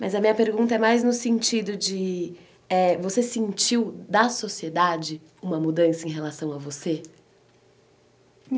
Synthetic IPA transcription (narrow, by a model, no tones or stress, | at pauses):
mɐzɐmĩɲɐpeɾɡũnt̪ɐɛmajznʊsẽnt͡ʃid̪ʊd͡ʒɪ | ɛvosesẽnt͡ʃiwd̪ɐsosied̪ad͡ʒɪ | ũmɐmud̪ɐ̃sɐẽj̃ɦelasɐ̃w̃ɐvose